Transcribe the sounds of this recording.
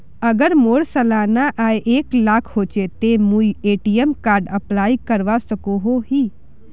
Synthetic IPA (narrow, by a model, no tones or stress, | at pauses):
ɐɡəɾmoːɽsɐlaːnaʔaeʔeːklaːkʰhoːt͡ʃet̪emũieːʈijəmkaːɾɖəplaːikəɾʋasəkoɦoɦiː